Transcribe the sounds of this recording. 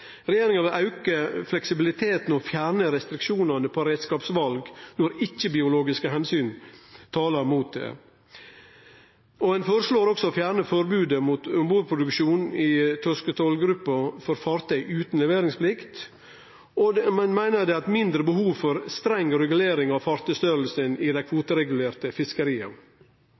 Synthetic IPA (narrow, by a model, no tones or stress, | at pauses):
ɾɛjeːɾɪŋɑʋɪlʔɑʉkəflɛksɪbɪlɪt̪ʰeːt̪n̩ɔfjæːɾɳəɾɛst̪ɾɪkʃuːnɑnəpʰɔɾeːd̪skɑːpsʋɑlɡnɔɾɪçːəbɪʊloːɡɪskəɦɛnsyːnt̪ʰɑːlɑɾmuːt̪̚d̪ɛ̰ː | ɔɛnfoːɾəʂloːɾɔksɔfjæːɾɳəfɔɾbʉːd̪əmuːt̪ʊmbuːpʰɾʊd̪ʉkʃuːnɪt̪ʰɔskət̪ʰɔlɡɾʉpːɑfɔɾfɑːɾt̪ʰœʏʔʉːt̪nlɛʋeːɾɪŋspʰlɪkt̪ | ɔmɛnmæɪnəd̪ɛɑt̪mɪnd̪ɾəbəhuːʋfɔɾst̪ɾɛŋːɾɛɡʉleːɾɪŋɑʋfɑɾt̪ʰœst̪œɾəl̩sənɪd̪æɪkʰʋuːt̪əɾɛɡʉleːɾt̪əfɪskəɾiːɑ̰